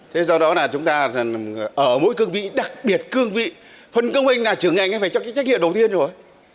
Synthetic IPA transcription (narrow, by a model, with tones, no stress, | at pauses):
t̪ʰe˨˦sɔ˧ɗɔ˨˦laː˨˩t͡ɕʊ˨˦ŋ͡mt̪aː˧˨ʔəː˧˩mo̰˧˥jkɨ˧əŋvḭ˧˨ɗa˨˩k̚ɓi˨˩ət̚kɨ˧əŋvḭ˧˨ | fə˧˩nkə˧wŋ͡mhi˧jŋ̟laː˨˩t͡ɕɨ˨˩əŋːa˨˧˩jŋa˧jfaː˧˩jt͡ɕɔ˧kaː˨˦˥jt͡ɕa̟˦˥ŋḭ˧əmɗə˨˩wt̪i˧ənzo˨˩j